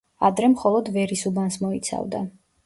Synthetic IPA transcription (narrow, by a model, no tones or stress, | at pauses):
ad̪ɾɛmχɔlˠɔd̪vɛɾisubansmɔit̪sʰa̰vd̪a̰